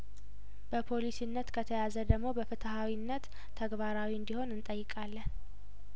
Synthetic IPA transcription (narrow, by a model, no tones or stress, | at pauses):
b̥əpʰo̞lisinːət̪kʰət̪ʰəjazəd̪əɡmo̞bəfɨt̪ʰəɦawinːət̪ʰː | əɡbaɾawiɨnd̪iho̞nɨnt̪ʼəjːɪkʼalːən